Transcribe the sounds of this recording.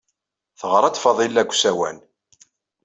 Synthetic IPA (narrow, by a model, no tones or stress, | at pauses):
θəʁɾˤɑt͡s̪ːfɑðˤilːæɡʷsæwæ̰n